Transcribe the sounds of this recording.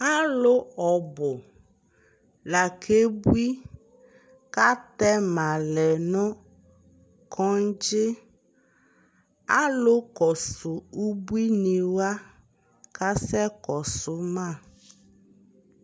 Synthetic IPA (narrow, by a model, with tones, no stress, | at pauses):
a˦lʊ˦ɔ˨bʊ˨ | la˨kʰe˦bu˦i˦ | ka˦t̪ɛ˦ma˨lɛ˨nʊ˦ | kʰɔ˦n˦d͡ʒɪ˦ | a˦lʊ˦kɔ˨sʊ˨u˦bu˦i˦ni˨wa˦ | ka˦sɛ˦kɔ˨sʊ˦mã˦˨